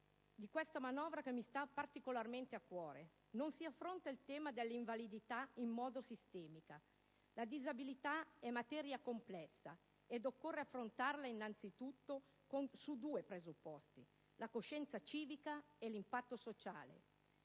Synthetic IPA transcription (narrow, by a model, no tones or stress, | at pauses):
d̪ikwest̪amanɔːvɾakemːist̪apart̪ikolarment̪eakːwɔːɾe | nonsiafːɾont̪ailt̪ɛːmad̪elːiɱvalid̪it̪aimːɔːd̪osist̪ɛːmika | lad̪izabilit̪aɛmːat̪ɛɾjakomplɛsːa̰ | ed̪okːorːeafːɾont̪arlainːant̪sit̪ut̪ːo | konsud̪uːepɾezupːɔst̪i | lakoʃːɛnt̪sat͡ʃiːvika | elimpat̪ːosot͡ʃa̰ːlḛ